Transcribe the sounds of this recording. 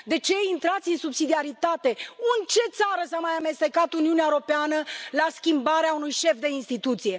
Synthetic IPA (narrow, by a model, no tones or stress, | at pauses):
d̪e̞t͡ʃe̞int̪ɾat̪sʲɨnsubsid̪iaɾit̪at̪e̞ɨnt͡ʃe̞t̪saɾəsamajame̞st̪e̞kat̪uniuneaeɾo̞peanəlaskʲimbaɾeaunujʃe̞fd̪e̞inst̪it̪ut̪sije̞